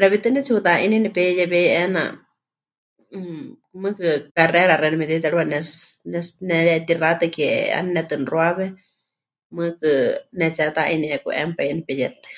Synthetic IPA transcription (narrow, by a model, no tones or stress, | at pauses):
ɾɛβit̪ɨnɛt͡sʰiwut̪aʔininɛpɛjɛβɛjʔɛna̰ | mɨ̃kɨkarɛɾarɛɾimɛt̪it̪̬ɛɺuanɛsnɛsnɛɺɛt̪irat̪ɨkɛɛ̰a̰nnɛt̪ɨnroaβɛ | mɨkɨnɛt͡sat̪aʔiniɛkṵʔɛ̰mpainipɛjɛ̰t̪ɨ̥